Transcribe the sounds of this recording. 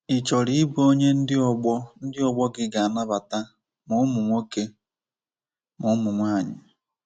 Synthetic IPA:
ɪ˨t͡ʃɔ˨ɾi˦bo˦ɲe˦n̩˦dɪ˦ɔ˦˨ɡ͡bɔ˦n̩˦dɪ˦ɔ˨ɡ͡bɔ˦ɡɪ˦ɡa˨na˦βa˨ta˦ | mʊ˨˦mʊ˨mʷo˦ke˦ | mʊ˨˦mʊ˨mʷa˦˨ɲɪ˨

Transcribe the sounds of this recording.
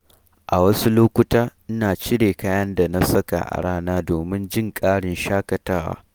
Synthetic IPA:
ʔa˨wɐ˦su˦loː˦kʷʊ˦taː˦ʔɪ˦naː˨t͡ʃɪ˦ɽeː˨kaː˦jɐ˦nda˨na˦sɐ˦ka̰˨ʔa̰˨ɽaː˦naː˦doː˨mɪ˦nd͡ʒɪ˦˨ŋkʼaː˦ɽɪ˨nʃaː˦kɐ˨taː˦wa̰ː˦

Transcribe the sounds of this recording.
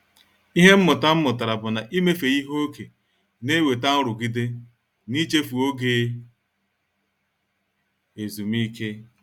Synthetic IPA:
i˦ɦe˦m̩˦mʊ˨ta˦m̩˦mʊ˨ta˨ɾa˨bʊ˨na˨ʔi˦me˦fe˨i˦ɦo˦o˦ke˨ | ne˦we˨ta˦ʊ˦ɾʊ˨ɡi˦de˦ | ni˦t͡ʃe˦fu˨o˦ɡeː˦ | e˨zu˨mi˦kʰe˦

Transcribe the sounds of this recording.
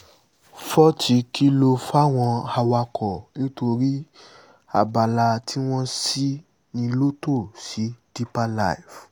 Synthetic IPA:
fɔ˦ti˧kʰi˦lo˧fa˦˨w̃ɔ̃˧a˧wa˧kʰɔ˨nĩ˦to˧ɾi˦ | a̰˦˨ba˨la˧tʰi˦w̃ɔ̃˦si˦ | nĩ˧lo˦to˦˨si˨˦di˦pa˧la˦i˨f

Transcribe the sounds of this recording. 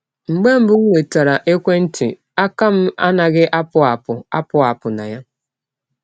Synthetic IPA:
ŋ͡m̩˨ɡ͡be˦m̩˦bʊ˦e˨ta˨ɾa˨ʔe˦kʷe˦n̩˦tʰɪ̰˨ | a˦ka˦m̩˦a˦na˨ɡɪ˦ʔa˦pʊ˦a˨pʊ˨a̰˦pʊ˦a˨pʊ˨na̰˨ja˦

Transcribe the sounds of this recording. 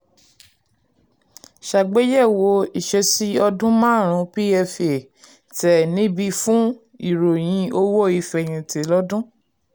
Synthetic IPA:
ʃa˨ɡ͡be˦jɛ˦˨wo˧˦i˨ʃɛ˧si˦ɔ˧dũ˦mãː˦˨ɾ̃ũ˧˦bi˦ɛ˧fe˨ | tɛ˨nĩ˨˦bi˧fũ˦ | i˨ɾo˨j̃ĩ˧˦o˧wo˦˨i˧fɛ˨j̃ĩ˧te˨lɔ˦dũ˦

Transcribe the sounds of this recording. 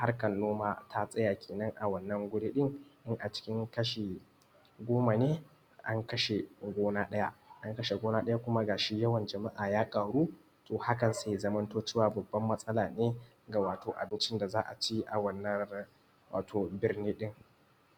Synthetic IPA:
ha˦rkɐ˨nːoː˦maː˦tʰa˦sʼɐ˦jaː˨kʲʰeː˨nɐ˦ŋʔa˨wɐ˦˨nːɐ˦ŋɡʷʊ˦ɽiː˦ɗɪ˦ŋʔɪ˦ŋʔa˨t͡ʃɪ̥˦kʲɪ˦ŋkɐ˦ʃe˨ | ɡʷoː˦ma˨neː˦ | ʔa˦ŋkɐ˦ʃe˨ɡʷoː˦naː˦ɗɐ˦ja̰˦ʔʔa˦ŋkɐ˦ʃe˨ɡʷoː˦naː˦ɗɐ˦ja˦kʷʊ˦ma˦ɡaː˨ʃi˦jɐ˦wɐ˨nd͡ʒɐ˨ma˦ʔaː˨jaː˦kʼaː˨ɽuː˦ | toː˨ha˦kɐ˨nsa˨zɐ˦mɐ˦ntoː˦t͡ʃeː˦waː˨bɐ˨bːɐ˦mːɐ˦sʼɐ˦laː˨neː˦ | ɡa˨waː˨toː˨ʔa̰˨bɪ˦nt͡ʃɪ˦nda˨zaː˦ʔa˨t͡ʃi˦ʔa̰˨wɐ˦nːɐ˦ | wa̰ː˨tʰoː˨bɪ˨rniː˦ɗɪ˦ŋ

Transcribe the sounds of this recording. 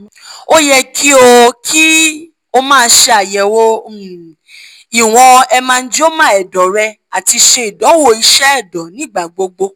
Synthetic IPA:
o˦jɛ˧kʰi˦o˧kʰi˦ | o˧mãː˦˧˦ʃe˧a˨jɛ˨wo˦ | i˨w̃ɔ̃˧ɛ˧mãː˧n̩˦d͡ʒo˦mã˦ɛ˨dɔ˨ɾɛ˧ | a˨ti˧ʃe˧i˨dɔ˨˦wo˧˨i˧ʃɛ˦ɛ˦˨dɔ˨nĩ˦˨ɡ͡ba˨ɡ͡bo˧ɡ͡bo˧

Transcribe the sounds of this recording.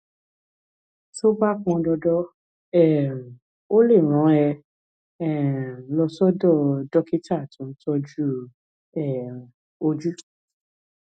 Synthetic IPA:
so˦ba˦k͡pɔ̃˧dɔ˧dɔ˦ | ɛ˦˨ | o˦le˦˨ɾ̃ɔ̃˨˦ɛ˧ | ɛ˨lɔ˧sɔ˦dɔ˦˨dɔ˦ki˦ta˦˨tũ˨˦n̩˦tɔ˦d͡ʒu˦ | ɛ˨ | o˦d͡ʒu˦

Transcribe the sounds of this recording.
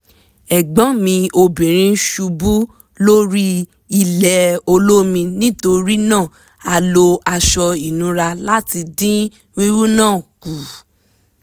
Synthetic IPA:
ɛ˨ɡ͡bɔ̃˨˦mĩ˧o˧bĩ˨ɾ̃ĩ˧ʃu˧bu˦ | lo˦ɾi˦ | i˧lɛ˨o˧lo˦mĩ˧nĩ˦to˧ɾi˦nãː˦˨ | a˧lo˧a˧ʃɔ˧i˨nũ˨˦ɾa˧la˦ti˧dĩ˦ | wi˦wu˦nãː˦˨ku˨

